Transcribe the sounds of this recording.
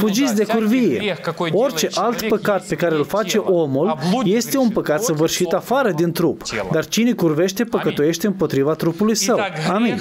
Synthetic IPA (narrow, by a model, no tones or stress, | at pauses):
fud͡ʒit̪sʲd̪e̞kurvijḛo̞rt͡ʃe̞ʔalt̪pəkat̪̚pe̞kaɾeɨlfat͡ʃe̞ʔo̞mulje̞st̪e̞unpəkat̪səvɨrʃit̪afaɾəd̪int̪ɾupd̪art͡ʃinekurve̞ʃt̪e̞pəkət̪uje̞ʃt̪e̞ɨmpo̞t̪ɾivat̪ɾupulujsəwamin